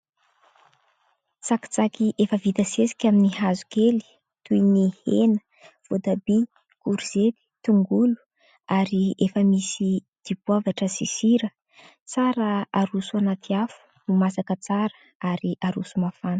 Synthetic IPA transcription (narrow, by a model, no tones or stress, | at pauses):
t͡saki̥t͡sakiʔefəvit̪əsesi̥kʲaminiɦazu̥keli̥ | t̪ujnihenə | v̥od̪abi | kuɾiz̥ep̪i̥t̪uŋɡulu̥ | aɾiefəmisi | d̪̥ibwavaʈ͡ʂəsisiɾə | t͡saɾəaɾusuanat̪ʰiafu̥ | umasakət͡saɾə̥ | aɾiʔaɾusumafanə̥